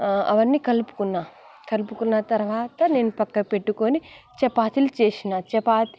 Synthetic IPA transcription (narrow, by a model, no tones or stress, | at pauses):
ɐ̰ʋɐnːiːkɐlpu̥kunːaː | kɐlpukunːɐt̪ɐɾɐʋaːt̪ɐne̞ːnupɐkːɐpeʈːukoːnit͡ʃɛpaːt̪ilut͡ʃeːsinaːt͡ʃɛpaːt̪i